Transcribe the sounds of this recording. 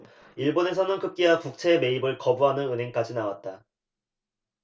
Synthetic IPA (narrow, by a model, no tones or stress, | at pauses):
iɭbone̞sʰʌnɯnkɯp̚k͈iakuk̚t͡ɕʰe̞me̞ibɯɭkʌbuɦanɯnɯnɦe̞ŋk͈ad͡ʑinawat̚t͈a